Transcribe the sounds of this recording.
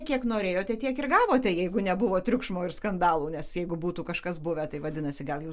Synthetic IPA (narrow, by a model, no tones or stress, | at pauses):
kʲiɛknoːɾʲeːjoːt̪ʲɛt̪ʲiɛkɪrɡɑːʋoːt̪ʲɛjɛɪɡʊnʲɛbʊʋoːt̪ʲɾʲʊkʃmoːɪrskɐnd̪ɑːlˠuːnʲɛsjɛɪɡʊbuːt̪uːkɐʃkɐsbʊʋʲɛt̪ɐɪʋɐd̪ʲɪnɐsʲɪɡɐlˠjuː